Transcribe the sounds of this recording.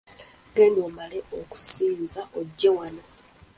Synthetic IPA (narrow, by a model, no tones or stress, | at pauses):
ɡenoːmaleoku̥siːnzaʔoɟːewano̞